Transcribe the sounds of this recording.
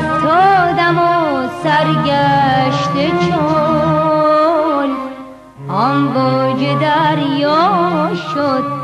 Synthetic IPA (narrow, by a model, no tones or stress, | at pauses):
t̪ʰod̪amosæɾɡæʃt̪et͡ʃʰo | l | ɔmbɔd͡ʒed̪æɾjɔʃod̪̥̚